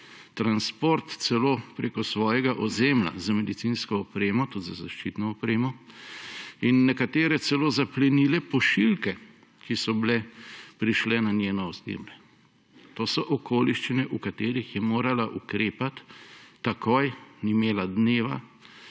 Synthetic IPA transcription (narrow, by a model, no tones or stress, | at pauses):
t̪ɾanspoɾt̪sɛloːpɾeːkɔsʋɔːjɛɡaʔɔzeːmla̰zamɛd̪it̪sinskɔːpɾeːmɔt̪ud̪zazaʃt͡ʃit̪nɔɔpɾeːmɔ | inːɛkat̪eːɾɛt̪sɛloːzaplɛnilɛpɔʃilkɛ | kisɔblɛpɾiʃlɛnanʲjeːnɔːzḛːmlɛ | t̪oːsɔʔɔkoːliʃt͡ʃinɛʔukat̪eːɾixjɛmoːɾalaʔukɾeːpat̪ːakojnimeːlad̪neːʋa̰